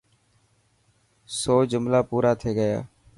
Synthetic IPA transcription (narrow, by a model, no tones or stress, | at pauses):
soːd͡ʒʊmlaːpuːɾaːt̪ʰeːɡəja̰ː